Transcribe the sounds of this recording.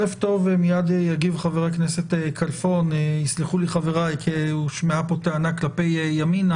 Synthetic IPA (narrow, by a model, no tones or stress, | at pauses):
eft̪o̞vemijad̪ejaɡivχaveʁaknese̞t̪ekʰalfo̞njisliχuliχaveʁajkʰeuʃmeapot̪eanaklape̞jːamin